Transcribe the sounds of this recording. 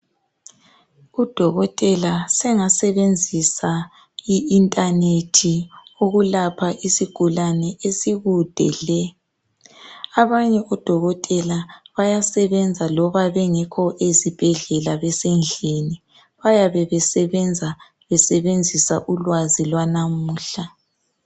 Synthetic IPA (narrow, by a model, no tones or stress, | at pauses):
ud̥ʱɔɣɔtʼɛlasɛŋasɛβend͡zʱisa | iːntʼanetʰioɣulapʰaʔisiɡ̥ʱulanɛesiɣud̥ʱɛlɛ | aβaɲɛʔɔd̥ʱɔɣɔtʼɛlaβajasɛβɛnd͡zʱalɔβaβɛŋɛkʰɔʔezib̥ʱɛɮɛlaβɛsɛnd͡ɮʱeni | βajaβɛβɛsɛβɛnd͡zʱa | βɛsɛβend͡zʱisa̰ʔulwazilwanamuːɬa